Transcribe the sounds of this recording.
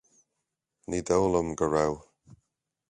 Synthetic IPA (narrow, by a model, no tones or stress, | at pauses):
nid̪ɔwləmɡəɹaw